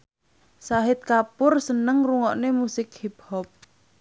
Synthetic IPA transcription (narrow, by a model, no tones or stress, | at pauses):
saɦɪt̪̚kapʊrsənəŋruŋɔʔnemusɪkhip̚hɔp̚